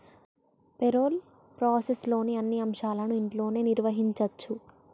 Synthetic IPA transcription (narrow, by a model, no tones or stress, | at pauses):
peɾo̞ːl | pɾaːseslo̞ːniɐnːiɐmʂaːlɐnuiɳʈlo̞ːne̞ːniɾʋɐɦiɲt͡ʃɐt͡ʃːu